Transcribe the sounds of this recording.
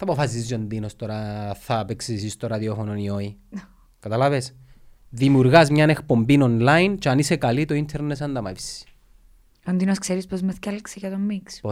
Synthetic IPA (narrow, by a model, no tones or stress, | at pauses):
θɐpofɐs̬izd͡ʒond̪inost̪oɾɐθɐpeksisist̪oɾɐðiofononioi | kɐt̪ɐlɐves | ðimuɾɣɐzmɲɐne̞kpo̞mbinonlɐjnt͡ʃeɐnisekɐlit̪oint̪ʰeɾnes̬ɐnd̪ɐmɐ̰isi̥ | ond̪inoskseɾispozmeθcɐlkseʝɐt̪omːikspo